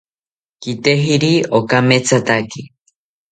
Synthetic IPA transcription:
kit̪eɦiɾiokameːt͡sʰat̪aki

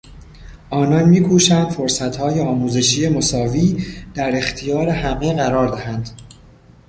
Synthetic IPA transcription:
ʔɒːnɒːnmiːkʰuːʃænd̪fo̞ɾsæt̪hɒːjeɒːmuːze̞ʃiːjemosɒːviːd̪̥æɾe̞xt̪ʰijɒːɾe̞hæmeɣæɾɒːɾd̪æhænd̪̥

